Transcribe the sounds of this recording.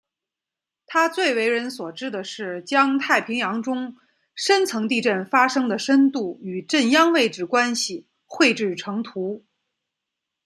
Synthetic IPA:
t̪ʰa˥t͡swe˥˩ɪwe˧˥ɪɻə˧˥nswɔ˨˩ʈ͡ʂɻ̩˥d̪ə˨ʂɻ̩˥˩t͡ɕjɑ˥ŋt̪ʰa˥˩ɪpʰi˧˥ŋjɑ˧˥ŋʈ͡ʂʊ˥ŋ | ʂə˥nt͡sʰɤ˧˥ŋt̪i˥˧ʈ͡ʂə˥˩nfa˥ʂɤ˥ŋd̪ə˨ʂə˥nt̪u˥˩y˨˩ʈ͡ʂə˥˩njɑ˥ŋwe˥˧ɪʈ͡ʂɻ̩˥˩kwa˥nɕi˨˩ | xwe˥˧ɪʈ͡ʂɻ̩˥˩ʈ͡ʂʰɤ˧˥ŋt̪ʰu˧˥

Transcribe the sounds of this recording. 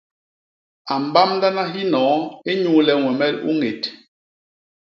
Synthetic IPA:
a˨m˨ba˦mnda˦na˦ɦi˦nɔ̃ː˨˦e˦ɲu˦lɛ˦ŋwɛ˨mɛ˦˨lṵ˦ŋe˨t

